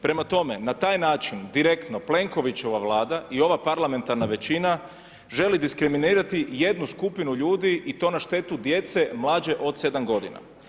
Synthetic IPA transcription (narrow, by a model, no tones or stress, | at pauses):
pɾe̞mat̪o̞me̞nat̪aːjnaːt͡ʃind̪iɾe̞kt̪no̞ple̞ŋko̞ʋit͡ɕo̞ʋaʋlˠaːd̪aʔio̞ʋapaɾlame̞nt̪aɾnaʋe̞t͡ɕina | ʒe̞lid̪iskɾiminiːɾat̪ije̞d̪nuskupinuʎuːd̪iʔit̪o̞ːnaʃt̪e̞t̪ud̪je̞t̪se̞mlˠaːd͡ʒe̞ʔo̞d̪se̞d̪amɡo̞d̪ḭna̰